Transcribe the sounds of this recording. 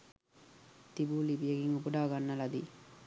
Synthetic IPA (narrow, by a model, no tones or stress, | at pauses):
t̪ibuːlibijəɡiŋupuɖaːɡanːəlad̪i